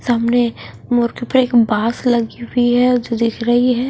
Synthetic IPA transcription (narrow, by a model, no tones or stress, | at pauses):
t̪oɦɐmne | mʊɾkipɐɾeːkbaːslɐɡiɦʊiɦɛd͡ʒod̪ɪkʰɾɐɦiɦɛː